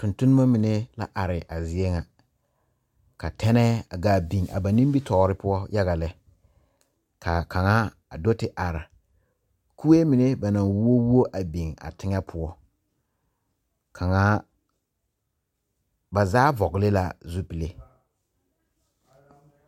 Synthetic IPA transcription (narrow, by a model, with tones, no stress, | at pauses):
tʊ˨ntʊ˦nʊ˦ma˦mi˨ne˦la̰˦ʔa˨ɾɪ˨ʔa˨zɪ˦ɛ˦ŋa˨ | ka˨tʰɛ˦nɛ˦a˨ɡa˦˨bi˨ŋa̰˨ba˨nĩ˦mbi˦tɔː˨˦ɾɪ˦pʊ˦ɔ˦ja˦ɣa˨lɛ˦ | ka˨kʰa˨ŋa˦ | a˨do˦tɪ˨ʔa˨ɾa˨ | ku˦we˦mi˨ne˦ba˨na˨ŋwu˦o˦wu˦o˦ʔa˨bi˨ŋa̰˨tɪ˦ŋɛ˦pʰʊ˦ɔ˦ | kʰa˨ŋa˦ | ba˨zaː˦vɔ˨ɡɪ˨le˦la˦zu˦pi˨le˦